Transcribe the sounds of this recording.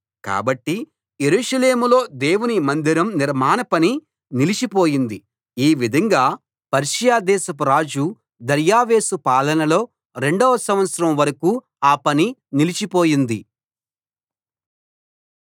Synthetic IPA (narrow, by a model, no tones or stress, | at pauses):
ka̰ːbɐʈːi | jeɾuːʂɐle̞ːmulo̞ːd̪e̞ːwunimɐnd̪iɾɐmniɾmaːnɐpɐni | nilit͡ʃipoːjind̪i | iːʋid̪ʱɐŋɡaː | pɐɾʂɐjaːd̪ɛːsɐpuɾaːd͡ʒu | d̪ɐɾjaːʋeːsupaːlɐnɐlo̞ː | ɾe̞ɳɖɔːʋɐsɐmʋɐt̪sɐɾɐmʋɐɾɐkuː | aːpɐninilit͡ʃipo̞ːjind̪i